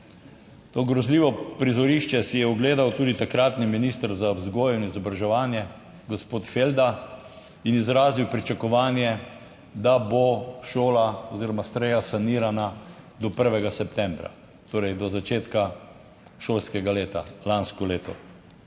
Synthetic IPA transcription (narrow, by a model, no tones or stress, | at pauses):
t̪oːɡɾɔzliːʋɔpɾizɔɾiʃt͡ʃɛsijɛɔɡleːd̪awt̪uːd̪it̪akɾat̪niminist̪əɾzazɡoːjinizɔbɾaʒɛʋaːnjɛ | ɡospoːt̪feld̪a | inizɾaːziwpɾit͡ʃakɔʋaːnjɛ | d̪aboʃoːlaɔziːɾɔmast̪ɾɛjasaniːɾanad̪ɔpəɾʋɛɡasɛpt̪ɛmbɾa̰ | t̪oːɾɛjd̪ɔzat͡ʃeːt̪ka | ʃoːlskɛɡaleːt̪a̰lanskɔleːt̪ɔ